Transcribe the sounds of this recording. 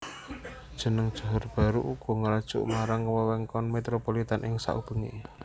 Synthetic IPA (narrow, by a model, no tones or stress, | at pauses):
dd̥ʒ̥ə̤nəŋd̥ʒ̥ɔ̤ɦɔrb̥a̤ɾuʔuɡ̥ɔ̤ŋəɾad̥ʒ̥ʊ̰ʔmaɾaŋːəwəwɛŋkɔnmet̪ɾopolit̪anʔɪŋsa̰ʔṵb̥ə̤ŋḭ